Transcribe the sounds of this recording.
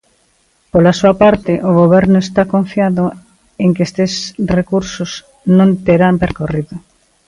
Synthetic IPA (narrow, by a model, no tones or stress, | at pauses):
polasuapaɾt̪ɪʔoɣoβ̞ɛɾnʊest̪akõɱfjaðʊ | eŋkest̪esrekuɾsʊs | nõnt̪eɾampeɾkoriðʊ